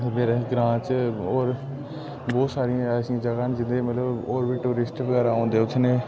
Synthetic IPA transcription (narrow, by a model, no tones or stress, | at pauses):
meːɾeːɡɾãːt͡ʃoːɾ | bɔːt̪saːɾijãːɛsiãːd͡ʒəɡaːnd͡ʒɪnd̪eːmət̪ləboːɾbiːʈuːɾɪsʈʋəɡɛːɾaːõːnd̪eːʊt̪ʰneː